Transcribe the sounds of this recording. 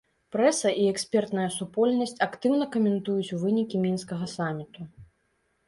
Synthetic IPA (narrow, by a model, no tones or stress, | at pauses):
pɾɛsɐʔiɛksʲpʲɛrt̪nɐjɐsupɔlʲnɐsʲt͡sʲɐkt̪ɨwnɐkɐmʲɛnt̪ujut͡sʲuvɨnʲikʲimʲinskɐɣɐsamʲit̪u